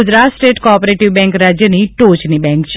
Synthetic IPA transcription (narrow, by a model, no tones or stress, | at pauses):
ʊd͡ʒɾat̪sʈeʈkɔːpɾeʈiʋbɛ̃ŋkɾad͡ʒjəniʈot͡ʃnibɛ̃ŋkt͡ʃʰ